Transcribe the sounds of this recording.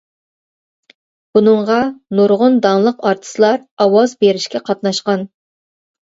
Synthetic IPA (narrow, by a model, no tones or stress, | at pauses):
b̥unɨɴʁɑnoɾʁʊnd̪ɑŋlˠəqɑɾt̪ʰə̥sɨlˠɑɾɑwɑzbeɾiʃkʲɛqʰɑt̪nɑʃqɑn